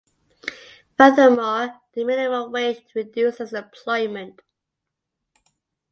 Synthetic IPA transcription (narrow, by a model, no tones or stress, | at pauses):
fəðəmɔːðəmɪnɪməlweɪstʰəɹɪdjʉˑsɪzəpʰl̥ɔɪmə̃nt